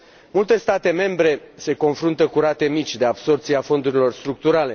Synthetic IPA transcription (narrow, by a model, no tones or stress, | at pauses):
mult̪e̞st̪at̪e̞me̞mbɾe̞se̞ko̞nfɾunt̪əkuɾat̪e̞mit͡ʃʲd̪e̞abso̞rpt̪siafo̞nd̪uɾilo̞rst̪ɾuk̚t̪uɾale̞